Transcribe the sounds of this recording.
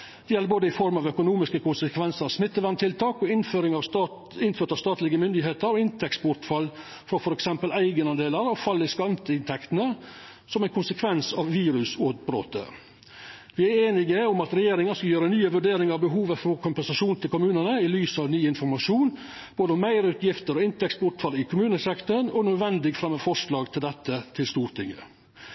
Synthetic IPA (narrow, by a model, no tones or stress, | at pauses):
d̪̥ɛjɛləboːd̪əɪfɔɾmɑːʋœkʊnuːmɪskəkʰʊnsəkʰʋɛnsəɾɑʋsmɪt̪ːəʋænt̪ʰɪlt̪ʰɑːkɔɪnføːɾɪŋɑ | ɪnføːɾt̪ɑʋst̪ɑːt̪lɪɡəmʏnd̪ɪheːt̪əɾɔɪnt̪ʰɛksbʊɾt̪fɑlː | fɾɑɔfɔɾɛksɛmpəlæɪɡənɑnd̪eːləɾɔfɑlːɪskɑnt̪əɪnt̪ʰɛkt̪nə | sɔmæɪnkʰʊnsəkʰʋɛnsɑʋːiːɾʉsoːt̪bɾo̰ːt̪ə̰ | ʋɪːæɾeːnɪɡəʊmɑt̪ɾɛjeːɾɪŋɑskɑljøːɾənyːəʋʉɖeːɾɪŋɑɾbəɦuːʋəfɔɾkʰʊmpɛnsɑʂuːnt̪ʰɪlkʊmʉːnəɳəɪlyːsəɑʋnyːɪnfɔɾmɑʂuːn | b̥oːd̪əɔmːæɪɾəʉːt̪ʰjɪft̪əɾɔɪnt̪ʰɛksbʊʈ̪fɑlɪkʰʊmʉːnəsɛkt̪ənɔnœd̪ʋɛnd̪ɪɡfɾɑmːəfɔʂɭɑːɡt̪ʰɪld̪ɛt̪ːət̪ʰɪlst̪uːɾʈ̪ʰɪŋːə̰